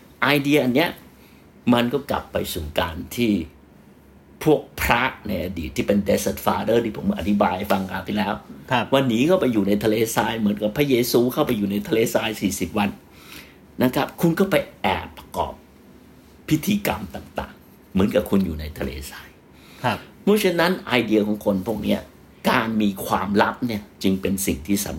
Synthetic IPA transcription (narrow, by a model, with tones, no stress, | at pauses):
ʔaː˧jdi˧ɐʔa˧nːi˦˥ɐ | ma˧nkɔː˥˩kla̰˨˩pːa˧jsuː˨˩kaː˧nt̪ʰiː˥˩ | pʰu˥˩ək̚pʰɾa˦˥na˧jʔa˧dḭ˨˩t̪ʰːiː˥˩pe˧nde˦˧se˨˩t̪̚faː˧dɤː˥˩t̪ʰiː˥˩pʰo˩˦m˧ʔa̰˨˩t̪ʰi˦˥baː˧jʔa˧˩fa˧ŋkaː˧˩wt̪ʰi˥˩lɛː˦˥wwa˧nːiː˦˥kʰaː˥˩wpa˧juː˨˩na˧jt̪ʰa˧leː˧saː˧jmɯ˩˦ənka˨˩pʰɾa˦˥jeː˧suː˧kʰa˥˩wpa˧jːuː˨˩na˧jt̪ʰa˧leː˧saː˧jsiː˨˩si˨˩p̚wa˧n | na˦˥kʰa˦˥p̚kʰu˧nkɔː˥˩pa˧jʔɛ̰ː˨˩pːa˧kɔ̰ː˨˩p̚ | pʰːi˦˥t̪ʰiː˧ka˧mt̪a˨˩ŋt̪a̰ː˨˩ŋ | mɯ˩˦ənka˨˩kʰu˧njuː˨˩na˧jt̪ʰa˧lḛː˧saː˧j | mɔː˦˥˩t͡ɕʰe˧˥nːa˦˥nʔaː˧jdi˧ɐkʰɔː˨˩˦ŋkʰo˧npʰu˥˩ək̚ni˦˥ɐ | kaː˧nmiː˧kʰwaː˧mɾa˦˥p̚ni˥˩ɐt͡ɕɯ˧ŋpe˧nsḭ˨˩ŋt̪ʰiː˥˩sa̰˨˩˦m